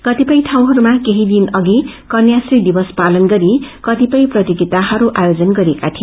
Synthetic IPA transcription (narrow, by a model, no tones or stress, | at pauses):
kʌt̪ipʌjʈʰaw̃ɦʌɾumakeɦid̪inʌɡikʌrnjasrid̪ibʌspalʌnɡʌɾikʌt̪ipʌjprʌt̪iɡit̪aɦʌɾuʔajod͡zʌnɡʌɾiekat̪ʰi